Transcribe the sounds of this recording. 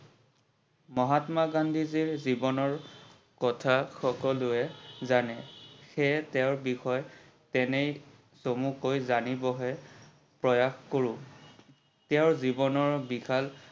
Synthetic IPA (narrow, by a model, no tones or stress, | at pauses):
mɔɦatmaɡandʱiziɹzibɔnɔɹ | kɔtʰaxɔkɔlʊɛzanɛxɛtɛʊɹbixɔj | tɛnej | somukojzanibɔɦɛ | pɹɔjaxkoɹʊ̃ | tɛʊɹzibɔnɔɹbixal